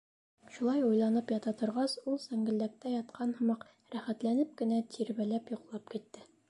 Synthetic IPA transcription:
ʃulˠɑjujlˠɑnɤpjɑt̪ɑt̪ŏɾʁɑsulˠsæŋɡɘ̆ld̪æk̚t̪æjɑt̪̚qʰɑnhɤ̆mɑq | ɾæχæt̪lænɘp̚kɘ̆næt̪ʰiɾβælæpjŏqlˠɑp̚kit̪ːɘ

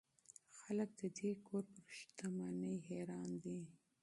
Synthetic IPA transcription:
xalək̚d̪̥əd̪ekʰoɾpəɾʃt̪amɑnəjɦeɾɑnd̪i

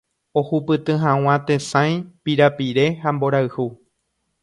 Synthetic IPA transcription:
o̞hupɨt̪ɨ̃ɦãw̃ãt̪e̞sãj̃piɾapiɾe̞hambo̞ɾaɨhu

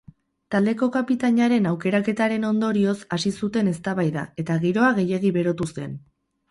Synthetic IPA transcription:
t̪ald̪e̞ko̞kapit̪aɲaɾe̞nawke̞ɾake̞t̪aɾe̞no̞nd̪o̞ɾio̞sasisut̪e̞ne̞st̪aβajða̰e̞t̪aɣiɾo̞aɣe̞je̞ɣ̞iβe̞ɾo̞t̪use̞̰n

